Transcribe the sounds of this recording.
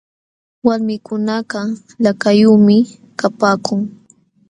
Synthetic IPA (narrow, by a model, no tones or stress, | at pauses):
waɾmɪkʊnaɢɑ | lakajuːmɪ | kapaːkʊŋ